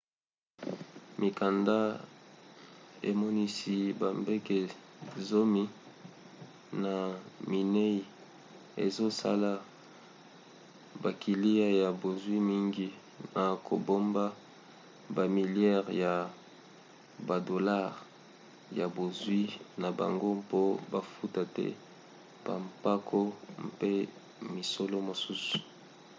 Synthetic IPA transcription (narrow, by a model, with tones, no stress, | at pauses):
mi˨ka˨nda˦ | ḛ˨mɔ˦ni˦si˦ba˨mbe˦ke˨zo˦mi˦ | na˨mi˨ne˦i˨ | ḛ˨zo˦sa̰˦la˦ | ba˨ki˨li˦a˦ja˨bo˨zwi˦mi˦ŋɡi˦ | na˨kʰo̰˨bo˦mba˦ | ba˨mi˨ljɛ˦ʁja˨ | ba˨do˨la˦˨ʁ | ja˨bo˨zwi˦na˨ba̰˨ŋɡo˦po˦ba˨fu˦ta˨tɛ̰˦ | b̥a̰˨mpa˦kʰo˦mpe˦ | mi˨so˦lo˦mo˨su˦su̥˨